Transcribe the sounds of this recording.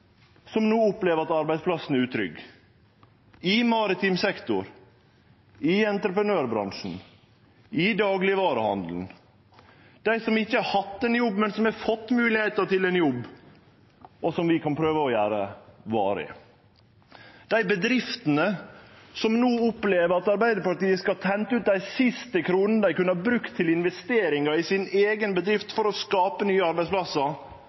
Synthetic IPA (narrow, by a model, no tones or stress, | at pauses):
sɔmnuːʊpleːʋəɾɑt̪ɑɾbæɪd̪spʰlɑsn̩æɾʉːt̪ʰɾʏ̰ɡ | ɪmɑɾɪt̪ʰimsɛkt̪ʊɾ | ɪɛnt̪ɾəpɾənøːɾbɾɑ̰ŋʂn̩ | ɪd̪ɑːɡlɪʋɑːɾəhɑnd̪l̩n̩ | d̪̥æɪsɔmɪçːəhɑt̪ːɛnjɔbːmɛnsɔmɛfɔt̪ːmʉːlɪheːt̪əʈɪlɛnjɔbː | ʔɔsɔmʋɪkʰɑnpʰɾøːʋəɔjæːɾəʋɑ̰ːɾəɪ̰ | d̪̥æɪbəd̪ɾɪft̪ənəsɔmnoːʊpleːʋəɾɑt̪ɑɾbæɪd̪əɾpɑʈ̪iːəskɑlt̪ʰɛnt̪əʉːt̪̚d̪æɪsɪst̪əkʰɾuːnən̩əd̪æɪkʉnəɑbɾʉkt̪ʰːɪlɪnʋɛst̪eːɾɪŋɑɪsɪneːɡənbəd̪ɾɪft̪fɔɾɔskɑːpənyːəɑɾbæɪspʰlɑsəɾ